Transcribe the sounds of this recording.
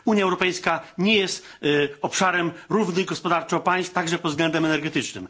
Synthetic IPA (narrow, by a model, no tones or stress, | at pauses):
uɲjaɛwɾɔpɛjskaɲɛjɛst̪ɔpʂaɾɛmɾuvnɘɣɡɔspɔd̪aɾt͡ʂɔɔpaj̃st̪aɡʐɛpɔd̪zɡlɛnd̪ɛmɛnɛɾɡɛt̪ɘt͡ʂnɘ̰m